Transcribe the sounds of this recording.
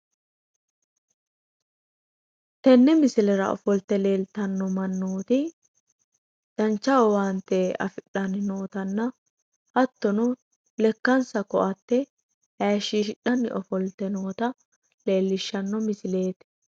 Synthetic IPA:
t̪ɛnːɛmɪsɪlɛɾɐ̰ɔ̰fɔlt̪ɛle̞ːlt̪ɐnːɔmɐnːoːt̪ɪ | d̪̥ɐnt͡ʃːɐwɔwant̪ːɛɐ̰fɪɗːɐnɪnoːt̪ɐnːɐ | hɐt̪ːɔnʊ | lɛkːɐnsɐkɔʔɐt̪ːɛ | hɐʃiːʃɪᶑɐnːɪ̰ʔɔfɔlt̪ɛnoːt̪ɐ | le̞ːlːɪʃːɐnːɔmɪsɪle̞ːt̪

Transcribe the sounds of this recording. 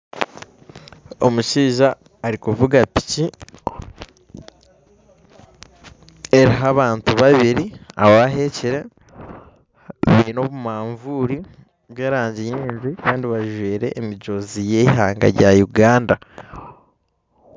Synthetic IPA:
o̞̰muʃiːʒaː | ɾikuvuɡapi̥ci | eɾiɦaβaːntuβaβiɾia̰woaɦeciɾe̞ | βino̞βumaːɱvuːɾi | βjeːɾaːɲɟijiːnzwikaːndiβaʒweːɾe̞̰ʔːmiɟo̞zije̞ɦaːŋɡa̰ɾɟajuɡaːnda

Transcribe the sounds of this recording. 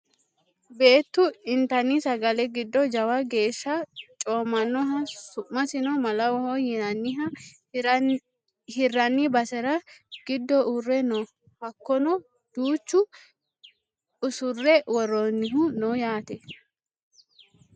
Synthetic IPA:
be̞ːt̪ːʊɪnt̪ɐnːisɐɡɐlɛɡɪd̪ːɔd͡ʒɐwɐɡe̞ːʃːɐt͡ʃʼoːmːɐnːɔɦɐsʊʔːɐsɪnɔmɐlɐwɔhojɛnɐnːɪɦɐ | hɪrːɐnːibɐsɛɾɐɡ̥ɪd̪ːɔʔʊrːɛnɔ | hɐkːɔnɔ | d̪̥uːt͡ʃːʊ | ʊsʊrːɛwɔrːonːɪɦʊnɔjaːt̪ɛ

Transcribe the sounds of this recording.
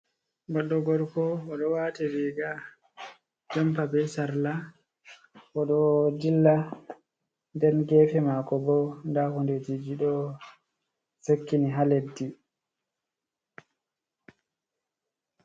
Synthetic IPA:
bɔɗːɔɡɔɾkɔːɗɔwaːtɛwiɡa | d͡ʒampabɛsaɾla | ʔɔɗɔdilːa | ndɛnɡɛːfɛmakɔbɔndahunded͡ʒid͡ʒiɗɔ | sekːiniɦaledːi

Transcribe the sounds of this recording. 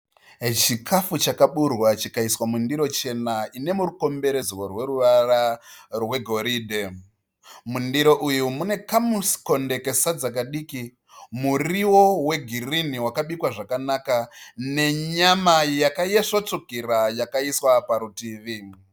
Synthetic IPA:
t͡ʃikʰafut͡ʃakaɓurwat͡ʃikaiswamundiɾo̞t͡ʃe̞naine̞muɾuko̞mbe̞ɾezworwe̞ɾuʋararwe̞ɡʱo̞ɾiːdʱe | mundiɾo̞ʔujumune̞kamusko̞nde̞ke̞sad͡zak̬aɗiːki | muriwo̞we̞ɡʱiriniwakaɓikwaʐakanakane̞ɲamajakajeʂot͡sokiɾajakaiswapaɾutiːʋi

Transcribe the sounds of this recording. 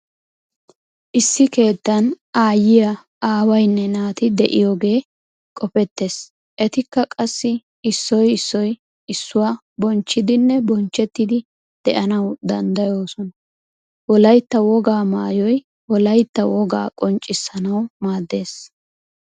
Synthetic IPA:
ʔɪsːɪke̞ːt̪ːɐn | aːjɪjɐ | aːwɐjnːɛnaːt̪ɪd̪ɛʔɪjoːɡe̞ː | kʼɔpɛt̪ːe̞ːs | ʔɛt̪ɪkːɐkʼɐsːɪ | ɪsːɔjɪsːɔj | ɪsːʊwaː | bɔnt͡ʃːɪd̪ɪnːɛbɔnt͡ʃːɛt̪ːɪd̪ɪ | d̪̥ɛʔɐnɐwd̪ɐnd̪ɐjo̞ːsɔnɐ | wɔlɐjt̪ːɐwɔɡaːmaːjɔj | wɔlɐjt̪ːɐwɔɡa̰ːkʼɔnt͡ʃʼːɪsːɐnɐwmaːd̪ːe̞ːs

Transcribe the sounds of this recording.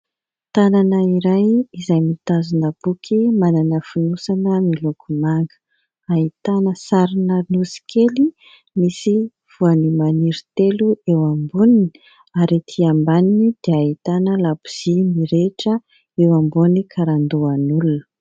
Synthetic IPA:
t̪ananəiɾajizajmit̪azunəb̥ukʰimananəfunusanəmilukʰumaŋɡə̥ | ait̪anəsaɾinənusi̥kʰeli | misi | v̥uanimaniɾit̪eluewambunini̥ | aɾit̪ʰiambaninid̪̥eait̪anəlabiz̥imiɾeʈ͡ʂə | ewambunikʰaɾand̪uanulunə̥

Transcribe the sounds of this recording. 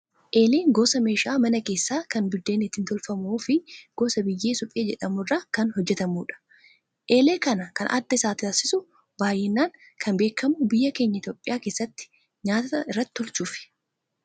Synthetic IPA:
ʔe̞ːleːŋɡoːsɐme̞ːʃaːmɐnɐke̞ːsːaːkɐnbɪd̪ːe̞ːnɪt̪ːɪnt̪ɔlfɐmoːfɪɡ̥o̞ːsɐbɪjːeːsʊpʼeːd͡ʒɛ̰ᶑɐmʊraːkɐnhɔd͡ʒːɛt̪ɐmuːᶑɐ̥ | ʔe̞ːle̞ːkɐnɐkɐnʔɐ̰d̪ːɐɪsaːt̪ɪɐsɪsʊ | baːjːɛnːaːŋ | kʰɐnbe̞ːkʰːɐmʊbɪjːɐke̞ːɲːɐɪt̪jo̞ːpʼːɪjaːkeːsːɐt̪ːɪ̥ | ɲaːt̪ɐɪrːɐt̪ːɪ̥t̪ɔlt͡ʃuːfɪ̥

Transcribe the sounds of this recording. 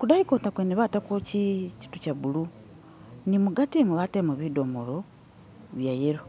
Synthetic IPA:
kudaikotakweniβatakocici̥tucaβulu | nimuɡatimuβatemuβidomolo | βjajeɾo

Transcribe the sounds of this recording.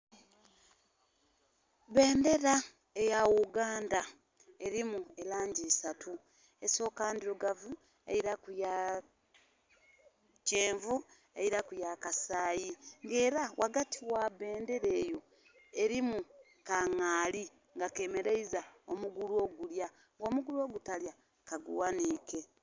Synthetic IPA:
βe̞ːnde̞ɾa | e̞jawuɡaːnda | e̞ɾimue̞laːɲɟisatʰu | eso̞ːkaːndiɾoɡavu | ḛiɾakuja | ceːɱvu | eiɾakujakasaːjiŋɡe̞ːɾawʔaɡatʰiwaβe̞ːnde̞ɾe̞ːjo̞ | e̞ɾimu | kaŋaːli | ŋɡake̞me̞ɾeizaomuɡuluo̞ɡulja | ŋɡo̞ːmuɡuluo̞ːɡutalja | kaɡṵwaniːke̞

